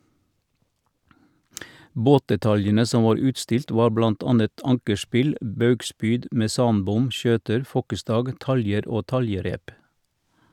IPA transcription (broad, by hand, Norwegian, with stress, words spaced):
ˈboːtdɛˌtɑljənə ˈsɔ ˈʋɑːɾ ˈʉːtˌstɪlt ˈʋɑː ˈblɑnt ˈɑːnət ˈɑŋkəˌspɪl ˈbɑʉɡˌspyːd mɛˈsɑːnˌbʊm ˈʃøːtəɾ ˈfɔkəˌstɑːɡ ˈtɑljəɾ ˈoː ˈtɑljəˌɾeːp